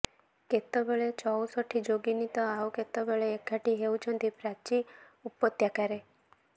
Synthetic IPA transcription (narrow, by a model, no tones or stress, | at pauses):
ket̪ːɔbeɭet͡ʃɔwsɔʈʰːid͡ʒoɡinit̪ɔauket̪ːɔbeɭeːkʰaʈiɦeut͡ʃʰɔnt̪ipɾat͡ʃi | upːɔt̪jakaɾe